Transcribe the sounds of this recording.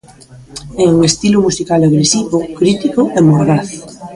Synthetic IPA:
eest̪ilomusikaleɣɾesiβokɾit̪ikoʔemoɣɾaθ

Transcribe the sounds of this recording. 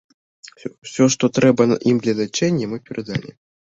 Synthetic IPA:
wsʲɔʂt̪ɔt̪ɾɛbɐʔimd̪lʲɐd̪ɐt͡ʃɛnʲːɛmɨpʲɛɾɐd̪alʲḭ

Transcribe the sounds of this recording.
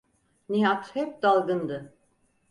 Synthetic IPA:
niɦat̪hɛp̚d̪alˠɡɯnd̪ɯ

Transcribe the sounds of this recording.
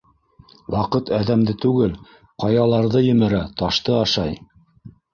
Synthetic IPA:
wɑqɤt̪æðæmd̪ɘt̪ʉɡɘl | qɑjɑlˠɑɾðɤjɵ̆mɘ̆ɾæt̪ɑʃt̪ɤɑʃɑj

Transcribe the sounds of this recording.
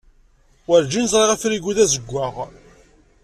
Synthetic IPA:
wəɾd͡ʒinəzˤɾˤeʁæfɾiɡuðæzəɡʷːaʁ

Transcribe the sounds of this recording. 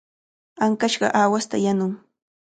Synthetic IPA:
aŋkaʃɢɑ̰ʔaːwast̪a̰janʊŋ

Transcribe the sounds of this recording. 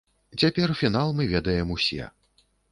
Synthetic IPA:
t͡sʲapʲɛrfʲin̪alˠmɨvʲɛd̪ɐjɛmusʲɛ̰

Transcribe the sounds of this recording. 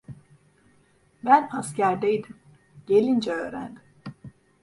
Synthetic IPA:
bænpʰascæɾd̪ejd̪im | ɟ̥e̞lʲind͡ʒɛøːɾæ̰nd̪im

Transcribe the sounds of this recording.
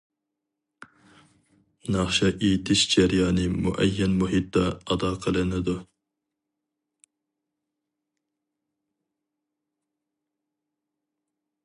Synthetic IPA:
nɑχʃɑʔejt̪ʰɪʃd͡ʒæɾjɑːnɨmṵʔɛjːɛnmuɦit̪̚d̪ɑɑd̪ɑqʰəlˠɨnɪd̪u

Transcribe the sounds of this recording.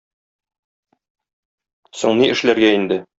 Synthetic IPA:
suɴniʔɘ̆ʃlæɾɡæind̪ɘ

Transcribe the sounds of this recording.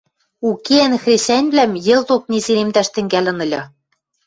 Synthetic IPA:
ukeænxrʲesænʲβlæmjɘ̆lt̪ok̚nezeɾemd̪æʃt̪ɘ̆ŋɡælɘ̆nɤ̆lʲɤ̆

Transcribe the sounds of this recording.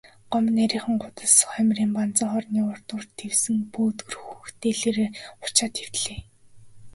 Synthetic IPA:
ɢ̥ɔmnːæɾʲiːχə̆ŋɢʊt̪ə̆sχœmʲriːmpant͡sə̆ɴχɔrniːʊr̥t̪ʊːrt̪ʰːewsɘ̆ŋpuːt̪ɵrxuxt̪ʰeːɮeːɾeːχʊ̥t͡ɕaːt̪ʰew̥t̪ɮeː

